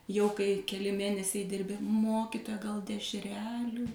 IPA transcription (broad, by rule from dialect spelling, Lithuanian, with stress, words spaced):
jɛʊ kɐɪ kʲɛˈlʲɪ ˈmʲeːnʲɛsʲɛɪ ˈdʲɪrʲbʲɪ ˈmoːkʲɪtoːjɛ ɡɐlˠ dʲɛʃʲˈrʲæːlʲuː